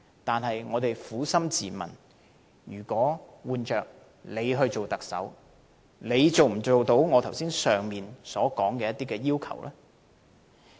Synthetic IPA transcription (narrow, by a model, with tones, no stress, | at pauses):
t̪aː˨nɦɐ˨jŋɔː˨˧t̪e˨jfuː˨˥sɐ˥mt͡siː˨˩mɐ̰˨˩n | jyː˨˩kʷɔː˨˥wuː˨˧nt͡ʃœː˨k̚ | le˨˧jɦɵ˧ɥt͡ʃo˨wt̪ɐ˨k̚sɐ̰˨˥w | le˨˧jt͡so˨wm̩˨˩t͡so˨wt̪o˨˧˥wŋɔː˨˧t̪ʰɐ˨˩wsiː˥nsœː˨ŋmiː˨nsɔː˨˥kɔː˨˥ŋkɛː˧jɐ˥t̪ːiː˥kɛː˧jiː˥wkʰɐ̰˨˩wlʔɛː˥